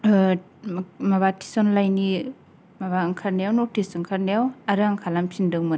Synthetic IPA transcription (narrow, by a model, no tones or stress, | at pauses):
maβatʰi̥sɔnlajni | maβaɯŋkʰaɾnajawnotʰisɯŋkʰaɾnajawaɾaŋkʰalampʰindɯŋmɯn